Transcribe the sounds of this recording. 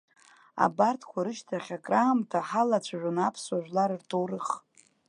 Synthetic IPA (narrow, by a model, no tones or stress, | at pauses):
a̰bartʰkʷʰaɾɨʃtʰaχʲakʼraːmtʰaħalat͡ɕʷʰaʒᶣʷʊnapʰswaʒᶣʷlaɾɨrtʰowrɨχ